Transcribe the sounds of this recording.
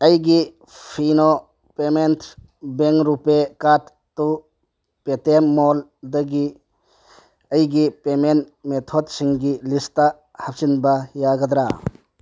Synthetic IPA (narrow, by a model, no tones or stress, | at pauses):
əjɡi | pʰinɔ | pementʰ | beŋɾupekat | tu | petemːɔld̪ɐɡi | əjɡipemenmet̪ʰɔd̚siŋɡilista | hap̚sinbajaɡad̪ɾa̰